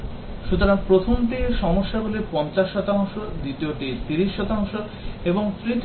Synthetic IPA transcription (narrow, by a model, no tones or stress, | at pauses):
ʃut̪oɾaŋpɾot̪ʰomt̪iʃɔmoʃːabolipɔnt͡ɕaʃːɔt̪aoŋʃod̪it̪ioʈit̪iɾiʃːɔt̪aoŋʃo | eboŋt̪ɾit̪